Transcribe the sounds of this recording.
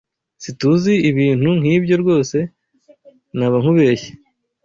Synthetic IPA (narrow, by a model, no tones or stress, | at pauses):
situziiβiːn̥uŋ̥hiːbɟo̞ɾɡo̞ːse̞ | naβaŋ̥uβe̞çe̥